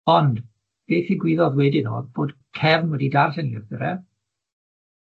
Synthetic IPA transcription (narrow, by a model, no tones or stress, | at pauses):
ɔnd | b̥eːθiɡwɪːðɔðwɛdɪno̰b̥oːd̥kʰɛvnwɛdidarθɛniəðɪɾɛ